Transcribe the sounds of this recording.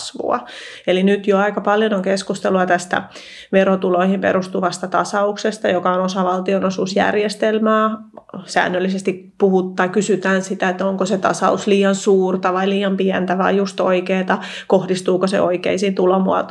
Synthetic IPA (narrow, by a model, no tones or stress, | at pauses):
sʋṵɑ̰ | elinyt̪joɑikɑpɑljonoŋkeskust̪eluɑt̪æst̪æ̰ | ʋerot̪uloihimpḛɾust̪uʋɑst̪ɑt̪ɑsɑuksest̪ɑjokɑonosɑʋɑlt̪ionosuːsjæ̰rjest̪elmæːsæ̰ːnːølːisest̪ik | puhut̪ːɑikysyt̪æːnsit̪æet̪ːoŋkoset̪ɑ̰sɑusliːɑnsuːrt̪ɑʋɑiliːɑmpiɛnt̪æʋɑijjust̪o̰ikeːt̪ɑ | kohdist̪uːkosḛʔoikḛisint̪ulomuɑ̰t̪